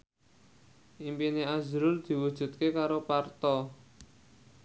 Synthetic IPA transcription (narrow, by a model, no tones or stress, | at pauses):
ʔimpineazɾʊld̪̥i̤wud̥ʒ̥ṳt̪̚kekaɾopart̪ɔ